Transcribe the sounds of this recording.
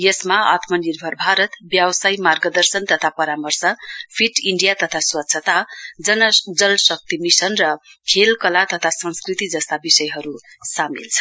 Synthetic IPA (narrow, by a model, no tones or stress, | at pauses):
jʌsmaa̰t̪mʌnirbʱʌrbʱaɾʌt̪bjʌbsajmarɡʌd̪ʌrsʌnt̪ʌt̪ʰapʌɾamʌrsʌpʰiʈiɳɖijat̪ʌt̪ʰaswatːsʰʌt̪ad͡zʌnʌd͡zʌlsʌk̚t̪imisʌnrʌkʰelkʌlat̪ʌt̪ʰasʌ̃nskrit̪id͡zʌst̪abisʌjɦʌɾu | samḭlt͡sʰʌ̥